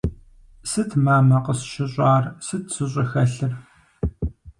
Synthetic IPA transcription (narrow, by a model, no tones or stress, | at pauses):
sɨtʰmaːmɐqəsʃɪɕʷʼaːrsɨtʰsɨɕʷʼɐxɐɬɨr